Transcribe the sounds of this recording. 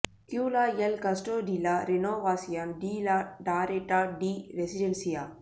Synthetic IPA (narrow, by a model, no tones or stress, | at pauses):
kjuːlaːjelkɐsʈoːɖiːlaːɾenoːʋaːsijanɖiːlaɖaːɾeʈaɖiɾesiɖensijaː